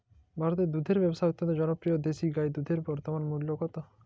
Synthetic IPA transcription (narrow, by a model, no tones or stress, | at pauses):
bʱaɾot̪ed̪ud̪ʱeɾbɛbosaot̪ːɔnt̪od͡ʑɔnopɾijod̪eʃiɡajd̪ud̪ʱeɾbɔɾt̪omanmuljokɔt̪o